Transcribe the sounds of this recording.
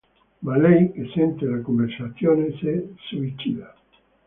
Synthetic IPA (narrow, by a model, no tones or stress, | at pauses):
malejkesent̪elakombeɾsaθjonesesuit͡ʃḭða